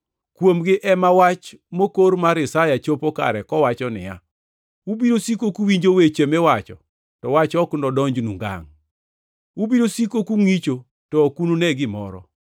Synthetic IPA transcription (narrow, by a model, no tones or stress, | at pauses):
kwomɡɪʔɛmawat͡ʃ | mokoɾmaɾɪsajat͡ʃopoka̰ɾɛkɔwat͡ʃɔnɪ̰ja̰ | ubiɾosikokuwiɲd͡ʒowet͡ʃemewat͡ʃɔ̰ | tɔwat͡ʃɔkndɔdɔɲd͡ʒnuŋɡa̰ŋ | ubiɾosikokuŋit͡ʃo | tɔkununɛɡɪmɔ̰ɾɔ̰